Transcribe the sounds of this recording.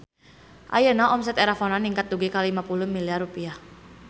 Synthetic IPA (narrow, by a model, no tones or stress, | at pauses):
ʔa̰jənaʔɔmsɛt̪eɾafɔnaniŋkat̪̚duɡekalimapulʊhmiliarupiah